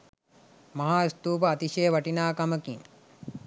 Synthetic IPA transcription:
mɐɦaːist̪uːpɐːt̪iʃejəʋɐʈinaːkɐmɐkiŋ

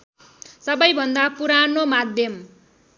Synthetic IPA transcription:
sʌbʌjbʱʌnd̪apuɾanomad̪ʱjʌm

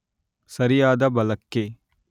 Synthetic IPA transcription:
sɐɾijaːd̪ɐbɐlɐkːeː

